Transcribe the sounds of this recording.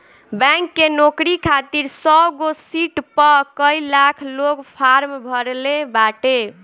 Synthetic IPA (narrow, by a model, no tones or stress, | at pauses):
bɛŋkːenokɾikʰat̪iɾsɔbɡosiʈpəkəilakʰloɡpʰaɾmbʱəɾlebaʈe